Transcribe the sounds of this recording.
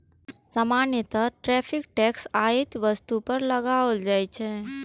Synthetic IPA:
səmanjət̪əʈɾɛpʰɪk̚ʈɛksait̪ʋəst̪upəɾləɡaʋəld͡ʒajt͡ʃʰɛ

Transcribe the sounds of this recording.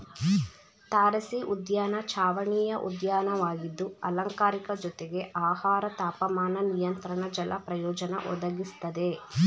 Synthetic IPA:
t̪aːɾɐsiʔud̪jaːnɐt͡ʃʰaːʋɐɳiːjɐʔṵd̪jaːnɐʋaːɡid̪ːuɐlɐŋkaːɾikɐd͡ʒɔt̪eɡe̞ʔaːhaːɾɐt̪aːpɐmaːnɐnijɐnt̪ɾɐɳɐd͡ʒɐlʔɐ̰pɾɐjɔːd͡ʒɐnɐ̰ʔɔ̰d̪ɐɡist̪ɐd̪e̞

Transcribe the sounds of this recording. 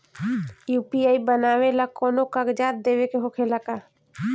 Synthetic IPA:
juːpiaːibənaːwelakɔːnokəɡd͡ʒaːt̪̚d̪eːwekeɦokʰelakaː

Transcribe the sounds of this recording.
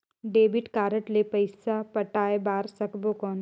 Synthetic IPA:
ɖeːbɪʈkaːɾəʈlepɐɪsapɐʈaːebaːɾsɐkbokɔːn

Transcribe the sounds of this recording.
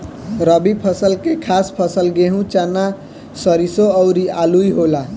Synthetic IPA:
ɾəbipʰəsəlkekʰaspʰəsəlɡeɦũt͡ʃana | səɾisoəʊɾialuiɦola

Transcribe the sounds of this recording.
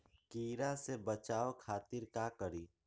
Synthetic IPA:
kiːɾasebət͡ʃaːokʰaːt̪ɪɾkakəɾiː

